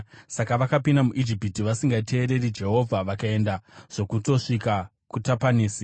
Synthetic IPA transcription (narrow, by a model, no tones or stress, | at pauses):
sakaʋakapindamuʔid͡ʒipitiʋasiŋɡatʰe̞ːɾe̞rid͡ʒe̞ɦo̞vʱaʋakae̞ndaʐ̥o̞kuto̞ʂika | kutapaniːsi